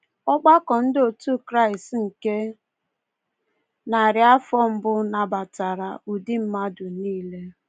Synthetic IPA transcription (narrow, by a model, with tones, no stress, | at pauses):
ɔ˦ɡ͡ba˦kɔ˨n̩˦do˨tu˦kɾa˦˨ɪ˨stŋ̩˨ke˦ | na˨ɾɪ˨a˦fɔ˦m̩˦bʊ˦na˨ba˨ta˨ɾa˨u˨di˦m̩˦ma˦dʊ˨niː˦le˦